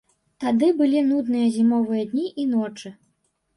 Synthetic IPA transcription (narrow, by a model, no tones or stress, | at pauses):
t̪ad̪ɨbɨlʲinud̪nɨjɐzʲimɔvɨjɐd̪ʲnʲiʔinɔt͡ʂɨ